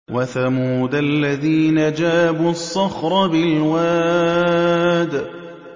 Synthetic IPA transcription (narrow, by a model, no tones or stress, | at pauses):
waθamuuːd̪alːaðiːnad͡ʒaːbuɑsˤːɑxɾˤɑbɪlwaː | d̪